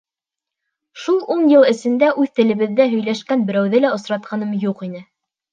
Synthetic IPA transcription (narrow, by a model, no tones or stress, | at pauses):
ʃulˠuɴjɤ̆lˠɘ̆sɘ̆nd̪æʔʉðt̪ɘ̆lɘ̆βɘ̆ðːæɦɵ̆jlæʃkænbɘ̆ɾæwðɘlæŏsɾɑt̪̚qʰɑnɤmjuqinɘ